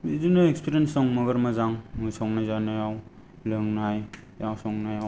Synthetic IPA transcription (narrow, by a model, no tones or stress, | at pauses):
izinɯekspiɾijensɔŋmɐɡɐɾmɐzaŋmɯjsɔŋnazanajaw | lɯŋnaj | jawsɔŋnajaw